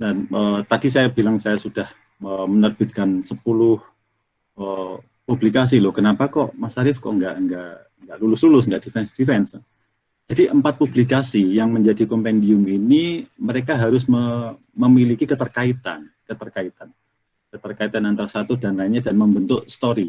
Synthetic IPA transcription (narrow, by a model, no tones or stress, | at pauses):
naəːt̪adisajabilaŋsajasud̥ah | əmənərb̥ɪt̪̚kansəpulʊh | ə | publikas̬ilʊhkənapakɔʔmasaɾɪfkɔ̰ʔŋɡaʔŋɡaʔ | ŋɡaʔlulʊslulʊsŋɡaʔd̥ifɛnsd̥ifɛns | d͡ʒadiʔəmpat̪̚publikasijaŋməɲd͡ʒadikompɛndiʊminiməɾekaɦaɾʊsmə | məmilikikət̪ərkait̪a̰nkət̪ərkait̪an | kət̪ərkait̪anant̪aɾasat̪udanlaiɲadanməmbənt̪ʊʔst̪oɾi